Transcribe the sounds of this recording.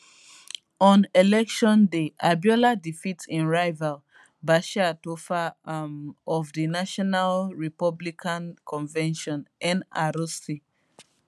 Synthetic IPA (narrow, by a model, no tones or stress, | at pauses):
ɔ̃nelɛkʃɔ̃ndeʔabjɔladifitĩnɹaɪval | baʃaatofamɔvdinaʃɔnalɹipɔblikʰãnkʰɔ̃nvɛ̃nʃɔ̃nɛ̃na̰ɾosi